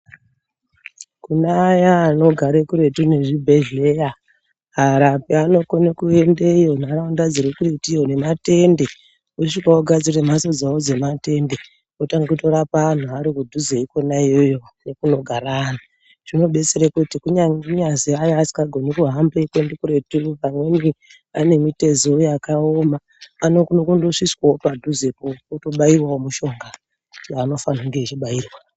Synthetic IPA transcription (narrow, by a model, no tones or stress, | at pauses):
kunajaːno̞ɡʱaɾekuɾe̞tune̞ʐibʱeɮe̞ja | ɦaɾapiano̞konekue̞ndeijo̞n̤araundad͡zirekuretione̞mate̞nde̞ | oʃikaoɡʱad͡zirem̤aso̞d͡zaod͡ze̞mate̞nde̞ | otaŋɡekuto̞ɾapaan̤uaɾikudʱuzeiko̞naijo̞jo̞ne̞kuno̞ɡʱarana | ʐ̥ino̞ɓe̞t͡seɾekutikuɲaŋɲaziajoasi̥ŋɡaɡʱo̞nikuɦambeikwendikuɾetupamweni | ane̞mite̞zoojakaomaː | nokunokundoʂiswaopadʱuzekooto̞ɓairwaomuʃo̞ŋɡa | t͡ʃaːno̞fanauŋɡeit͡ʃiɓaiːrwa